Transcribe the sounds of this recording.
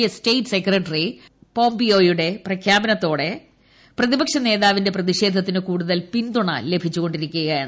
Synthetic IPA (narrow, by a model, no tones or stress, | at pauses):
ɐstejʈːsekrɐʈːri | po̞ːmbio̞ːjuɽe̞prɐkʰjaːbɐnɐt̪ːo̞ːɽe̞ | prɐðibɐkʂɐne̞ːðaːʋinde̞prɐðiɕe̞ːd̪ʱːɐt̪̬ːinɨkuːɽuðɐlpind̪uɳɐ̰le̞bʱit͡ɕːuɣo̞ɳɖiɾikʲːɐɣjɐjaːɳ